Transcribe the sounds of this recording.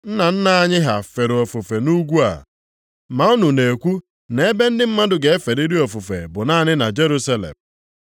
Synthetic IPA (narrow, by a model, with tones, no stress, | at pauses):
n̩˦na˨n̩˦na˦˨a˦ɲɪ˦ɦa˨fe˨ɾʊ˨o˨fʊ˨fe˨nu˦ɡʷu˦a̰˨ | ma˨ʊ˦nu˨ne˨kʷu˦ | ne˦e˦be˦n̩˦dɪ˦m̩˦ma˦dʊ˨ɡe˨e˦fe˨ɾi˦ɾi˦o˨fʊ˨fḛ˨bʊ˨naː˦˨nɪ˦na˨d͡ʒe˦ɾu˦sa˦lḛ˨m